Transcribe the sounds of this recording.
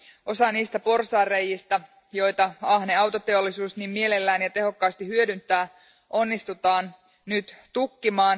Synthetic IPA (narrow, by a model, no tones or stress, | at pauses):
o̞sɑniːst̪æpo̞rsɑːrːejːist̪ɑ | jo̞jt̪ɑɑhneɑwt̪o̞t̪e̞o̞lːisuːsnimmie̞le̞lːæːnjɑt̪e̞ɦo̞kːɑːst̪ihyødynt̪ˑæː | ʔo̞nːist̪ut̪ɑːn | nyt̪t̪ukːimɑːn